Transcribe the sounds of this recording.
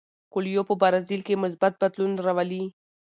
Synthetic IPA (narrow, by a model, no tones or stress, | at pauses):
kʊljopəbaɾazilkemʊs̬bat̪̚bad̪lunɾawali